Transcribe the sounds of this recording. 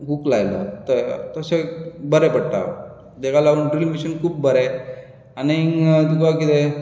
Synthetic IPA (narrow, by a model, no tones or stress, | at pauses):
ɦuklajlo̰t̪ət̪əsebəɾepəɽʈa̰ | d̪ekʰalaɡunɖɾilmiɕənkʰuːbbəɾe | aneiŋd̪ukakit̪e